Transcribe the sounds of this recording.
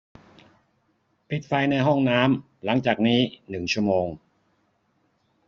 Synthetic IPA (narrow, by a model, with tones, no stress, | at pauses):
pʰi˨˩t̪̚fa˧jna˧jɦɔ˥˩ŋnaː˦˥m | la˩˦ŋt͡ɕaː˨˩k̚niː˦˥nɯ˨˩ŋt͡ɕʰu˥˩əmoː˧ŋ